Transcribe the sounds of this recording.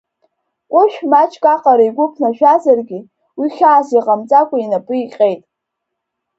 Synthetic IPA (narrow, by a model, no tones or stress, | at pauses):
qʷʼʊʃᶣmat͡ʃʰʼkʼaqʼaɾiɡʷʊpʰnaʃᶣazarɡʲɪ | wiχʲaːsiqʼamt͡sʼakʷʼainapʼɨiqʲʼejtʼ